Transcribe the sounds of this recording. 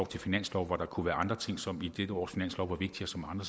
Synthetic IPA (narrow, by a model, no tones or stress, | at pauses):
ɒʊt͡sʰe̝lfinæn̰slɒʊʋɒɾ̥ɑ̈kʰuʋæːɐʔɑ̈nd̥ʁɐt͡sʰe̝ŋ̰sɒ̽mid̥ed̥əɒ̰ːsfinæn̰slɒʊʋɑ̈ʋe̝ɡ̥̚d̥iɐsɒ̽mɑ̈nd̥ʁɐ